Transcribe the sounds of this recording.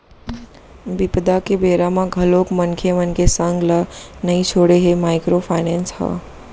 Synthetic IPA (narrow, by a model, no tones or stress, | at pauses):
bipd̪akebeɾamãɡʱəlokmənkʰemənkesəŋɡlənəjt͡ʃʰoɽeɦemajkɾopʰajnenshʌ̰